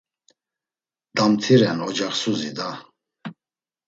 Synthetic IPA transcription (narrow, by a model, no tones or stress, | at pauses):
d̪̥amt̪ʰiɾɛnɔd͡ʒaχsuzid̪a